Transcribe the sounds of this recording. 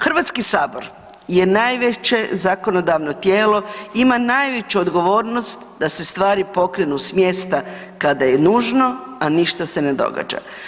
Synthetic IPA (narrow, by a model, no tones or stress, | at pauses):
xr̩ʋat̪skisaːbo̞ɾ | je̞najʋet͡ʃe̞zako̞no̞d̪aʋno̞t̪jeːlo̞imanajʋet͡ɕuod̪ɡo̞ʋo̞ːɾno̞st̪d̪ase̞st̪ʋaːɾipo̞kɾenusmje̞st̪a | kad̪aje̞nuːʒno̞aniʃt̪ase̞ne̞d̪o̞̰ɡa̰ːd͡ʒa̰